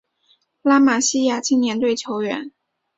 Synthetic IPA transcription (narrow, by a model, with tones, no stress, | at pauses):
la˥ma˨˩ɕi˥ja˨˩t͡ɕʰi˥ŋnjɛ˧˥nt̪we˥˩ɪt͡ɕʰjo˧˥ʊɥɛ̰˧˥n